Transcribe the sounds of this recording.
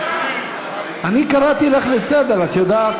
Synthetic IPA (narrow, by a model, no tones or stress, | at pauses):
anikaɾat̪ileχlesed̪eɾat̪jod̪aːt